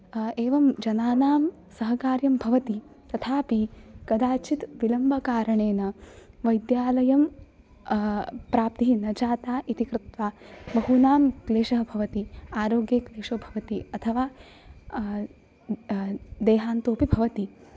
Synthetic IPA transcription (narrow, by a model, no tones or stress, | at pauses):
eːʋɐmd͡ʒɐnaːnaːm | sɐɦɐkaːɾjɐmbʱɐʋɐt̪i | t̪ɐt̪ʰaːpikɐd̪aːt͡ʃit̪ʋilɐmbʱɐkaːɾɐɳeːnɐ | ʋɐjd̪jaːlɐjɐm | pɾaːp̚t̪iinɐd͡ʒaːt̪aːʔit̪ikɾɪt̪ʋaːbɐɦunaːmkleːʃɐɦɐbʱɐʋɐt̪iaːɾoːɡjɐkleːʂoːbʱɐʋɐt̪iɐt̪ʰɐʋaː | d̪eːɦaːnt̪oːpibʱɐʋɐt̪i